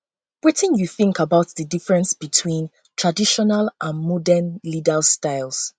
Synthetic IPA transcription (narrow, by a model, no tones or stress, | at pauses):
wɛtɪ̃njuθɪ̃ŋkabaʊtðədifɹɛ̃nsb̥itʰwĩn | tʰɹadiʃɔnalʔãnmɔdɛnlidəlstaɪlˠs